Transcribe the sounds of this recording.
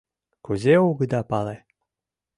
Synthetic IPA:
kuzʲeuɡə̆d̪ɑpɑle

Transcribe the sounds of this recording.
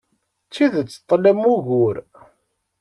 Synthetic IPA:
t͡sːiðət͡sːə̥t̪ˤːlæmuɣʊɾ

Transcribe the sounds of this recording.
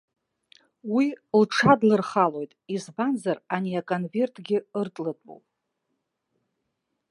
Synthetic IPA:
wilʈ͡ʂʰadlɨrχalo̞jtʼizbanzaraniakʼonve̞rtʰʼɡʲɪɨrtʼlɨtʼo̰wpʼ

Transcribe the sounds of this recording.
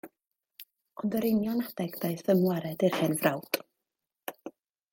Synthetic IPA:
ɔndəɾenjɔnadɛɡd̥ajθəmwaɾɛdɪrhɨnvrawtʼ

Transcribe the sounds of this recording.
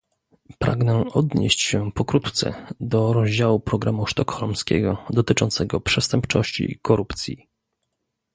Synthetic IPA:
pɾa̰ɡnɛɔd̪ɲḛɕt͡ɕɕɛpɔkɾut̪t̪sɛ̰d̪ɔɾɔʑd͡ʑawupɾɔɡɾamuʂt̪ɔkxɔlmskʲɛ̰ɡɔd̪ɔt̪ɘt͡ʂɔnt̪sɛɡɔpʂɛst̪ɛmpt͡ʂɔɕt͡ɕḭkɔɾupt̪sʲji

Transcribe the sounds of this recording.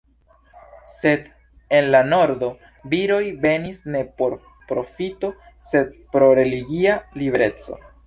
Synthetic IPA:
se̞d̪ | e̞nlano̞ɾdo̞ | biɾo̞jve̞nisne̞po̞ɾ | pɾo̞fito̞ | se̞d̚pɾo̞ɾe̞liɡialibeɾe̞t͡so̞̰

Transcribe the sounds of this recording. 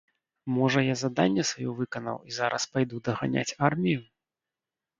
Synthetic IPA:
mɔʐɐjazad̪anʲːɛsvajɔvɨkɐnɐ̰wizaɾɐ̰spajd̪ud̪ɐɣanʲa̰t͡sʲarmʲiju

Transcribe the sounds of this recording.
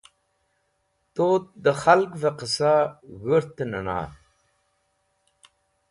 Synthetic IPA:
t̪ot̪̚d̪əxalkveqəsaɣəɾt̪ənə̰na̰

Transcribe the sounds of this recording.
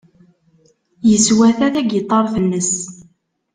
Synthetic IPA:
jəswæθæθæɡət̪ˤːɑɾˤθənːəs

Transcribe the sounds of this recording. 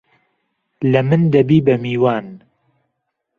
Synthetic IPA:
lɐmɨnd̪ɐbiːbɐmiːwaːn

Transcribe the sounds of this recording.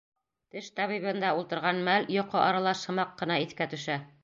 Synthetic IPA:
t̪ɘʃt̪ɑβiβɤ̆nd̪ɑulˠt̪ɤ̆ɾʁɑnmæljŏqɤʔɑɾɑlˠɑʃɤ̆mɑqːɤ̆nɑiθkæt̪ɵ̆ʃæ

